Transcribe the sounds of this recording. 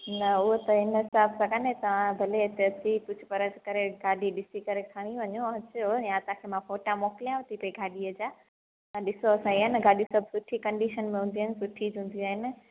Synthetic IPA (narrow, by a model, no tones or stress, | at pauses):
nɐʊɦot̪ɐɪnɦɪsaːbsɐɡanɦẽt̪ɐʋ̤ãbʱɐleɪt̪eɐt͡ɕikʊd͡ʑʱpɐɾəd͡ʒkɐɾeɡaːɗiɗɪsikɐɾekʰaːɽ̃iʋɐɲõɦɐt͡ɕojãsãkʰemãfoːʈamoːkɪlijãʋɐt̪ʰipɐiɡʱaːɗiɐd͡ʑa | ɐ̃ɗɪsoɐsãiɦənɪɡaːɗĩsɐbʱsʊʈʰikɐ̃ɳɖiʃənmẽɦũnd̪iɦɪnɪsʊʈʰid͡ʑɦũnd̪iũaːɦɪnɪ̆